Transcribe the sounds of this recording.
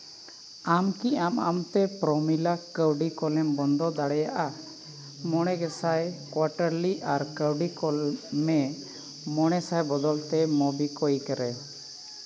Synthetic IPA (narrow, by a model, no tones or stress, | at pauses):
amkiama̰mt̪ɛpɾɔmilakəwɖikɔlɛmbɔnd̪ɔd̪aɽɛjaʔa | mɔɽ̃ɛɡɛsajkwaɾʈəɾliaɾkəwɖikɔlmɛ | mɔɽ̃ɛsajbɔd̪ɔlt̪ɛmɔbikɔjkəɾɛ